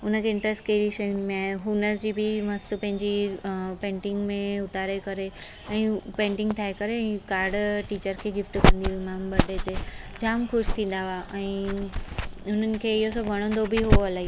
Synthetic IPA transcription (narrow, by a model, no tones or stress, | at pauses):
ʊnə̆kʰeɪ̃ɳʈɾəskeːɾiʃɐjʊnmẽaːɦeɦʊnəd͡ʑiːbɪmɐst̪pɐ̃ɦɪ̃ɲd͡ʑipẽːɳʈɪ̃ŋɡmẽʊt̪aːɾekɐɾe | ɛ̃ːpẽːɳʈɪ̃ŋɡt̪ʰaːɦekɐɾeɛ̃ːkaːɾɖʈiːt͡ɕəɾkʰeːɡɪfʈkɐ̃nd̪iʋɪmaːmɓɐɖet̪eːd͡ʑaːmxʊʃt̪ʰĩːn̆d̪aʋaʔɛ̃ː | ʊn̤ənɪ̆kʰeːɪɦosɐbʋɐɽ̃õːn̆d̪obʱɪɦuoɐlaːɦiː